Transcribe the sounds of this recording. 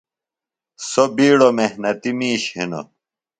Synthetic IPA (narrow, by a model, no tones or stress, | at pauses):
sobiːɽomehnɐt̪imiːɕhḭno̰